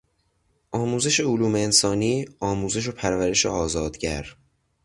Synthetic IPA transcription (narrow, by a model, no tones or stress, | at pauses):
ʔɒːmuːze̞ʃe̞oluːmeːnsɒːniːɒːmuːze̞ʃ̬opʰæɾvæɾe̞ʃḛɒːzɒːd̪̥ɟæɾ